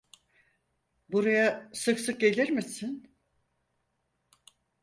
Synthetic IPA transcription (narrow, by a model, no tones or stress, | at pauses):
buɾajasɯksɯk̚ɟe̞lʲiɾmisin